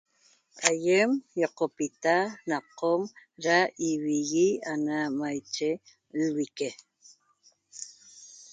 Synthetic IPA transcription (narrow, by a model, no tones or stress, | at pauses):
ʔajemjoqopit̪anaqomɾaʔiwiɣianamajt͡ʃe | lwike